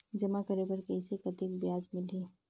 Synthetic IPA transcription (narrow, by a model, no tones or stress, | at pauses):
d͡ʒɐmakɐɾebɐɾkɐisekɐt̪ik̚bjaːd͡ʒmɪliː